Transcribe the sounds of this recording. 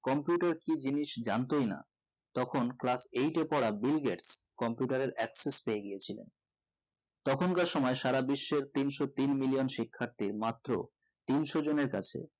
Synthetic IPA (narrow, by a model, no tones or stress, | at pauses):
kɔmpjuʈaɾkid͡ʑiniʃd͡ʑant̪ojna̰ | t̪ɔkʰonklasejʈepɔɽabilɡeʈskɔmpjuʈaɾeɾɛksespeeɡiet͡ɕʰilḛn | t̪ɔkʰonkaʃɔmɔeʃaɾabiʃːeɾt̪inʃot̪inmilionʃikʰːaɾt̪iɾmat̪ːɾo̰ | t̪inʃod͡ʑoneɾka̰t͡ɕʰḛ